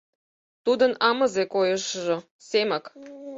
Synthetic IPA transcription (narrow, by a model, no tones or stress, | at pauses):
t̪ud̪ə̆nɑmɤ̆zekojəʃʒŏ | semɑk